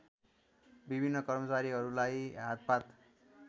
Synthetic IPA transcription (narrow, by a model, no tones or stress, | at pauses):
bibʱinːʌkʌrmʌt͡saɾiɦʌɾulajɦat̪̚pat̪